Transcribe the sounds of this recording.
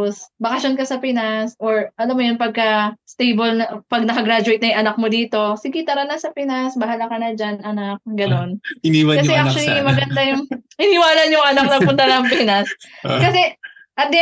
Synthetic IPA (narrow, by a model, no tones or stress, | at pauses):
osbɐkɐʃonkɐsɐpɪnasʔoɹʔɐlɐmːojonpɐɡ̚kɐst̪ejbolnɐpɐɡ̚nɐkɐɡɾad͡ʒʊwejt̪nɐjʊŋʔɐnak̚mod̪iːt̪o̞sɪɡit̪ɐɾɐnɐsɐpɪnasbɐɦalakɐnɐd͡ʒanʔɐnak̚ɡɐno̞nɪniwɐkɐɛʔak̚t͡ʃʊwɐlimɐɡɐnd̪ajʊŋhɪnɪwaːlɐnjʊŋʔɐnak̚nɐpʊnt̪ɐlɐɐŋpɛːnɐskɐsɛ | ʔɐt̪̚d̪ɪ